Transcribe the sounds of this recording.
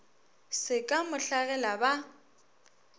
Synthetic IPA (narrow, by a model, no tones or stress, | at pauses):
sɪkʼamʊɬaɣɛlaba